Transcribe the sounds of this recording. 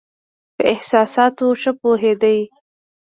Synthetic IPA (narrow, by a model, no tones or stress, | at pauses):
pəʔɪhsɑsɑt̪oʃəpoɦed̪əj